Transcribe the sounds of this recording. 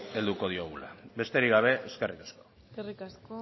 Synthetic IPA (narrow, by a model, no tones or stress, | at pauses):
e̞ld̪uko̞ð̞ioɣula̰βe̞st̪eɾiɣaβ̞e̞ʔeske̞rikḁsko̞̥ | erikasko